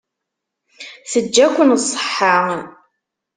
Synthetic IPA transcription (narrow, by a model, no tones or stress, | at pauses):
θəd͡ʒːækʷːənsˤːə̥ħːa